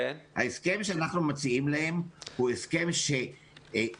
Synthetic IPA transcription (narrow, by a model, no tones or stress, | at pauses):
ha̰eske̞mʃeanaχnumot͡siimlahe̞mhueske̞mʃe